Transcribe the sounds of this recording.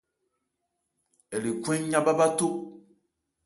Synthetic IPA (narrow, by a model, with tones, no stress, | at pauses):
ɛ˨li˨kʷɛ̃˦ɲ˦ɲã˦ba˦ba˦to˦